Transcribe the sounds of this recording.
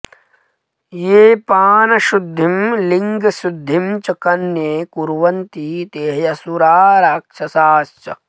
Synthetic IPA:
jeːpaːnɐʃud̪ʱːimliŋɡɐsud̪ʱːimt͡ʃɐkɐnjekuɾʋɐnt̪iːt̪eːɦjɐsuɾaːɾaːkʂɐsaːst͡ʃɐ̰

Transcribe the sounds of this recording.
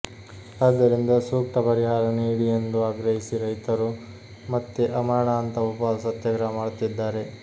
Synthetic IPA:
aːd̪ːɐɾind̪ɐsuːkʈɐpɐɾiɦaːɾɐniːɽijend̪uaːɡɾɐɦisiɾɐjt̪ɐɾu | mɐt̪ːeʔɐmaːɳaːnt̪ɐupɐsɐt̪jɐɡɾɐmaːɽut̪ːid̪ːaːɾe̞

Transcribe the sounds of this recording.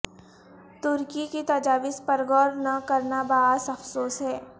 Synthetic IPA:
t̪ʊɾkikit̪ɐd͡ʒaːʋɪspɐɾɡɔːɾnɐkɐɾnabaːsɐfsoːsɦɛː

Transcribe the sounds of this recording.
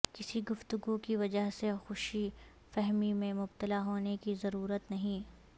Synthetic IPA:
kɪsiɡʊft̪ʊɡukiʋɐd͡ʒəɦsexʊʃi | fɛɦmimẽmʊbt̪əlaɦoːnekizɐɾuːɾət̪nɐɦĩː

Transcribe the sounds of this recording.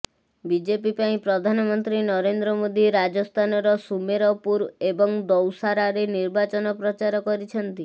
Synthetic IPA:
bid͡ʒepipaĩpɾɔd̪ʱanɔmɔnt̪ɾinɔɾend̪ɾɔmod̪iɾad͡ʒɔst̪ʰanɔɾɔsumeɾɔpuɾebɔŋd̪ɔwsaɾaɾeniɾbat͡ʃɔnɔpɾɔt͡ʃaɾɔkɔɾit͡ʃʰɔnt̪i

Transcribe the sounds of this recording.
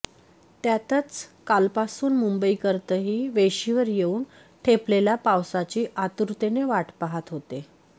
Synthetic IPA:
t̪jat̪ət͡skalpasuːnmumbəikəɾt̪əɦiːʋeɕiʋəɾjeuːn | ʈʰepleljapawsat͡ɕiːʔat̪uɾt̪eneʋaʈpaɦat̪ɦot̪e

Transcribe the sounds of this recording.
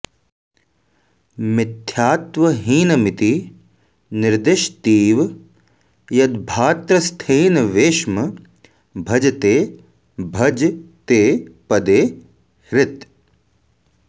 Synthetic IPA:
mɪt̪ʰːjaːt̪ʋɐɦiːnɐmɪt̪i | nɪɾd̪ɪʃt̪iːʋ | jɐd̪bʱaːt̪ɾɐst̪ʰeːnɐʋeːʃmɐ | bʱɐd͡ʒɐt̪eː | bʱɐd͡ʒt̪eːpɐd̪eː | ɾɪt̪

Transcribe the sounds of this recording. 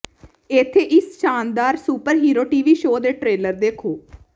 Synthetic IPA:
et̪ʰːeːʔɪsʃaːnd̪aːɾsuːpəɾɦiːɾoːʈiːʋiːʃoːd̪eːʈɾeːləɾd̪eːkʰoː

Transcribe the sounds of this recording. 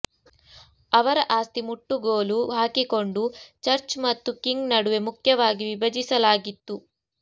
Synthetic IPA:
ɐʋɐɾɐʔaːst̪imuʈːuɡoːluɦaːkiko̞ɳɖut͡ʃɐɾt͡ʃmɐt̪ːukiŋɡnɐɽuʋe̞mukʰjɐʋaːɡiʋibɐd͡ʒisɐlaːɡit̪ːu

